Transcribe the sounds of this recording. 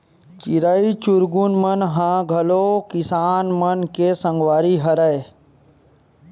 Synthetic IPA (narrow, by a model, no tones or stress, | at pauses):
t͡ʃiɾait͡ʃuɾɡunmənɦãɡʱəlokɪsaːnmənkesə̃ŋɡʋaːɾiɦəɾəe